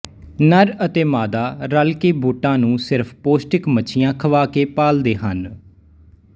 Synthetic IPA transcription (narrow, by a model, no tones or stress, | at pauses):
nəɾət̪eːmaːd̪aːɾəlkeːbuːʈãːnũːsɪɾfʰpoːsʈɪkmət͡ʃʰɪjãːkʰəʋaːkeːpaːld̪eːɦə̰n